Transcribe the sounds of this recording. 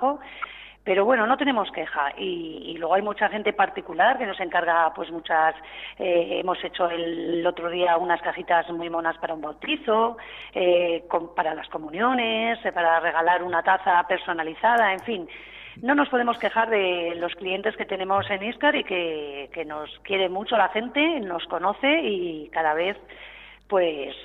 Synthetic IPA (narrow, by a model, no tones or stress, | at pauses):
o | pe̞ɾo̞β̞we̞no̞no̞t̪e̞ne̞mo̞ske̞xaʔḭːlwe̞ɣ̞o̞ajmut͡ʃaxe̞nt̪e̞paɾt̪ikulaɾke̞no̞se̞ŋkaɾɣapwe̞zmut͡ʃaseḛmose̞t͡ʃo̞ello̞t̪ɾoð̞iaunaskaxit̪azmwujmo̞naspaɾaumbolt̪iθo̞ekompaɾalasko̞mũnjo̞ne̞spaɾare̞ɣ̞alaɾunat̪aθape̞ɾso̞naliθað̞ae̞ɱfinː | o̞no̞spo̞ð̞e̞mo̞ske̞xaɾðe̞lo̞sklie̞nt̪e̞ske̞t̪e̞ne̞mo̞se̞niskaɾike̞ke̞no̞skje̞ɾe̞mut͡ʃoalaxe̞nt̪e̞no̞sko̞no̞θe̞ikaðaβ̞e̞θ | pwe̞s